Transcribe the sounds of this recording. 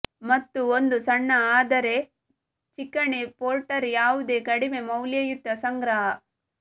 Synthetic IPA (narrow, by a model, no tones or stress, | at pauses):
mɐt̪ːuond̪usɐɳːɐaːd̪ɐɾe̞ | t͡ʃikːɐɳepoːlʈɐɾjaːʋud̪e̞ːkɐɽime̞mɐwljɐjut̪ːɐsɐŋɡɾɐɦɐ